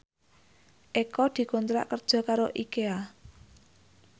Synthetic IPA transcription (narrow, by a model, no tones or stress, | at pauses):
ʔekɔd̪̥i̤kɔnt̪ɾa̰ʔkərd̥ʒ̥ɔ̤kaɾoʔikea